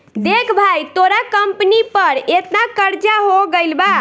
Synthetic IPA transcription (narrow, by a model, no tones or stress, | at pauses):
d̪ekʰbʱajt̪oɾakəmpnipəɾet̪nakəɾd͡ʒaɦoɡəlba